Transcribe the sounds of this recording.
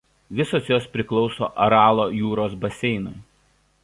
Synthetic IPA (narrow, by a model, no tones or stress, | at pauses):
ʋʲɪsoːsjoːspʲɾʲɪklˠɒʊso̰ːʔɐɾɑːlˠoːjuːɾoːsbɐsʲɛɪnʊɪ